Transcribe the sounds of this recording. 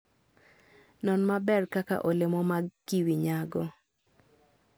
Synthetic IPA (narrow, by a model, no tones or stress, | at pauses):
nɔnmabɛrkaka̰ʔolemɔmaɡiwiɲaɡɔ